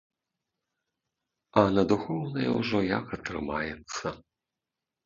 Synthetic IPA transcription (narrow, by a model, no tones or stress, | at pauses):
ɐnɐd̪uxɔwnɐjɛwʐɔjakɐt̪ɾɨmajɛt̪sːɐ